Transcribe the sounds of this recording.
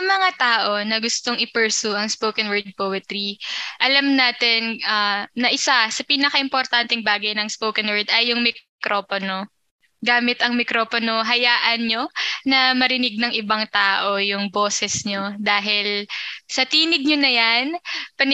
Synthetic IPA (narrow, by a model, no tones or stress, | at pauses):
ɐŋmɐŋat̪aːʔo̞nɐɡʊst̪oŋʔɪpɛɹsuʔɐŋspowkɐnwɛɹd̪̚poːwɐt̪ɾiʔɐlamnaːt̪ɛnʔɐnɐʔɪsasɐpiːnɐkɐʔɪmpoɾt̪ant̪ɛŋbaːɡɐjnɐŋspowkɐnwɛɹd̪ɐjːʊŋmɪkɾoːpono | ɡaːmɪt̪ɐŋmɪkɾoːponoɦɐjaːʔɐnɲo̞nɐmɐɾɪnɪɡ̚nɐŋʔɪbaŋt̪aːʔo̞jʊŋbo̞ːsɛsɲod̪aːɦɪlsɐt̪iːnɪɡ̚ɲonɐjanpɐn